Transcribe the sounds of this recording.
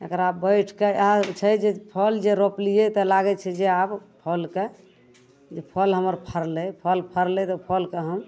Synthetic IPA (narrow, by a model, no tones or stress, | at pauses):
əɡəɾabbəʈʰkeɦt͡ʃʰɛd͡ʒepʰəld͡ʒeɾoplijet̪ɔlaɡɛt͡ʃʰɛd͡ʒeabpʰəlke | d͡ʒepʰəlɦəməɾpʰəɾlɛpʰəlpʰəɾlɛt̪ɔpʰəlkeɦəm